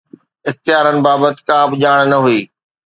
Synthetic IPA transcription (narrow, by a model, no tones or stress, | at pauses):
ɪxt̪jaːɾənɪ̆baːbət̪ɪ̥̆kaːbɪʄaːɽ̃nɐɦuiː